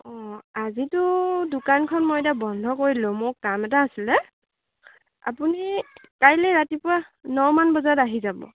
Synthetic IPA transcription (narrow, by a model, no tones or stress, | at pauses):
ɔ̃azitʊdʊkankʰɔnmoɔjtabɔndʱɔkoɹilomʊɹkamɛtaːsilɛ | a̰punikajlɛɹatipʊɹanɔwmanbɔzaɔtaɦizabɔ̰